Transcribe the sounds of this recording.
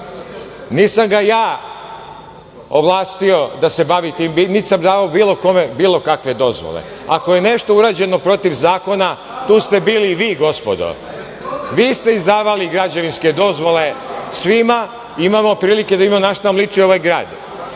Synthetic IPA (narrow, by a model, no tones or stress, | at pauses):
niːsamɡajaː | oʋlˠaːst̪io̞d̪ase̞baʋit̪iːmbinit̪samd̪aːʋaobiːlˠo̞ko̞me̞biːlo̞kakʋe̞d̪o̞zʋo̰lḛ | ako̞je̞ne̞ʃt̪o̞uɾaːd͡ʑe̞no̞pɾo̞t̪iʋzaːko̞na | t̪uːst̪e̞biːliʋiːɡo̞spo̞d̪o̰ | ʋiːst̪e̞izd̪aːʋaliɡɾad͡ʑeʋinske̞d̪o̞zʋo̞le̞sʋima | imamo̞pɾiːlike̞d̪aimanaʃt̪amlˠit͡ʃioʋajɡɾa̰ːd̪